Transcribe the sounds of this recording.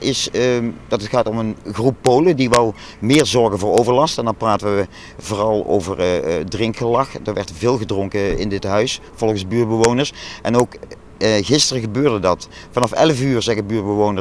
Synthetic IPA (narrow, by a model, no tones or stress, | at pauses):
ɪsdɑtətxaːtɔmənɣrupːowlədiʋɛlˠ | mɪːɹzɔɹɣənvʊːɹowvəɹlɑstɛndɑnpraːtəʋə | vʊːrɑlˠo̰wvəɹdrɪŋkxəlɑxdəɹʋɛɹtvɪːlˠɣədrɔŋkəɪndɪtɦœɥs | fɔlˠɣənzbyːrbəʋownəɹsʔɛnowk | ɣɪstərəɣəbøːɹdədɑt | fɑnɑfɛ̰ləfyːɹzɛɣəbyːɹbəʋownə